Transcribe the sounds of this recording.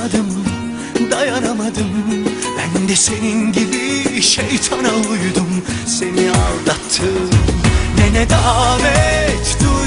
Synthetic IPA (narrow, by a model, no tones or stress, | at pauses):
ad̪ɯm | d̪ajanamad̪ɯm | bænd̪ɛse̞ninɟibiʃejt̪ʰanalˠujd̪um | se̞nialˠd̪at̪ʰːɯmnenɛd̪aːvɛt̪d̪u